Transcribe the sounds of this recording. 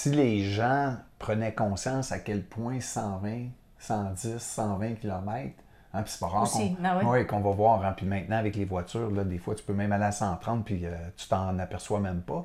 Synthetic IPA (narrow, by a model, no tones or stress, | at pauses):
sileʒãpʁənɛkɔ̃ːsjãsakʲɛlpʰwɛ̃sɑ̃vɛ̃ | sɑ̃d͡zɪsːɑ̃vɛ̃kʲilɔmɛɪt̪χ | ãpi̥se̥pɔʁɑːkɔ̃wwɛkɔ̃vɔvwɑːʁãpimɛ̃t̪̚nãavɛklevwat͡syːʁlʌd̪eːfwat̪y̥pømɛ̃maleasɑ̃ːt̪ʁɑ̃t̪̚piət͡s̪y̥t̪ɑ̃napɛʁswamɛ̃mpʌ